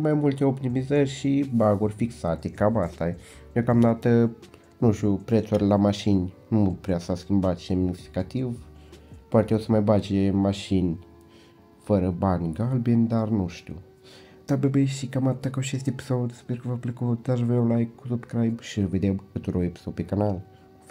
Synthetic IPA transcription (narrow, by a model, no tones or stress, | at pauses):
majmult̪eopt̪imizərʲʃibaɡurʲfiksat̪ekabast̪aj | d̪eokamd̪at̪ə | nuʃt̪ʲupɾet̪surʲlamaʃinʲnupɾeasəaskʲimbat̪ʃiamnisfi̥kat̪iv | poat̪eewsəmajbat͡ʃemaʃinʲ | fəɾəbanʲɡalbienʲd̪arnuʃt̪ʲṵ | t̪abebeʃikamat̪ːakawt͡ʃest̪epi̥sod̪ʲsperkəvaplekut̪d̪aʒvewlaekusupkɾajbʃived̪ewkɨt̪uɾoepi̥sopekanal